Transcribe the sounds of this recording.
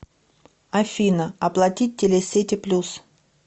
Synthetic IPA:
ɐfʲinəɐplˠɐtʲit̚ʲtʲːelʲesʲetʲɪplʲus

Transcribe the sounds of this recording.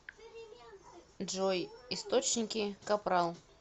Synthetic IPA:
ʐojɪst̪ot͡ɕnʲɪkʲɪkɐpɾalˠ

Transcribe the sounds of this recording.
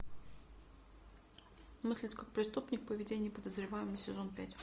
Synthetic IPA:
mɨsʲlʲɪt̪ʲkak̚pɾʲɪst̪upnʲɪk̚pəvʲɪdʲenʲɪjpəd̪əzɾʲɪvajɪməsʲɪzo̞npʲætʲ

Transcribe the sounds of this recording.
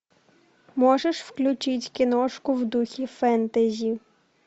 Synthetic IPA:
mɔʒeʃwklʲʊt͡ʃɪtʲkʲɪnɔʃkʊwd̪uxʲifɛnt̪ɐzʲi

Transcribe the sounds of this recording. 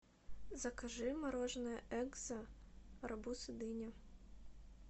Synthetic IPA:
zɐkɐʒɪmɐɾɔʒnɛʔɛɡzɐɾɐbusɪd̪ɪnʲɐ

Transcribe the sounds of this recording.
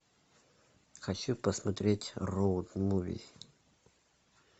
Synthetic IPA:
xɐt͡ɕupəsmɐt̪ɾʲetʲrowd̪muvʲḭ

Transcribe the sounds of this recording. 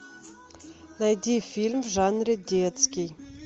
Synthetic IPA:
najd̪ʲifʲilʲmʐanrʲed̪ʲet̪skʲij

